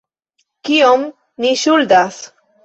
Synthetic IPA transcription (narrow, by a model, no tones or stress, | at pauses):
kiom | niʃuld̪as